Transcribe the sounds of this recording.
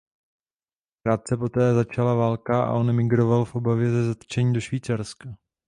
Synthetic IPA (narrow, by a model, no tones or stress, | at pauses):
kɾaːt̪̚t͡sɛpo̞t̪ɛːzat͡ʃalavaːlkaʔa̰ʔo̞nɛmɪɡɾo̞valfʔo̞bavjɛzɛzat̪t͡ʃɛɲiːdo̞ʃviːt͡saɾska